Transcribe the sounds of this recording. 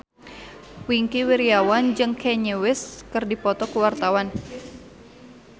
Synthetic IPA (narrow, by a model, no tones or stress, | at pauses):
wiŋkiwiɾiawand͡ʒɨŋkʰɛɲewɪskɨrdipɔt̪ɔkəwart̪awan